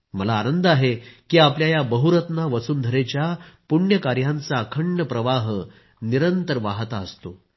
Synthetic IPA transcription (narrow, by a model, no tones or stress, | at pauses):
məlaːnənd̪aɦekiːapljajabəɦuɾət̪naʋət͡suːnd̪ʱəɾet͡ɕjapuɳjəkaɾjãnt͡saːkʰəɳːəpɾəʋaɦ | niɾənt̪əɾʋaɦt̪aəst̪o